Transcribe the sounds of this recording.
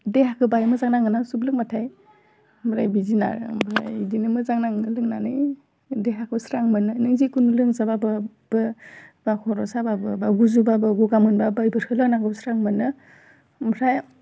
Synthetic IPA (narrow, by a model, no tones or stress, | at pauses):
dehakʰɯbajmɯzaŋnaŋɯnasublɯk̚matʰaj | mɾajbizina̰ɾ̰bɾa̰jdinɯmɯzaŋnaŋɯlɯŋnanɯj | deɦakʰɯsɾaŋmɯnɯnɯŋzikunulɯŋsababɯ | b̥ɯb̥akʰɔɾɔsababɯbaɡuzubabɯɡuɡamɯnbabajbɯɾkʰɯlɯnakɯsɾaŋmɯnːɯ | mɾaj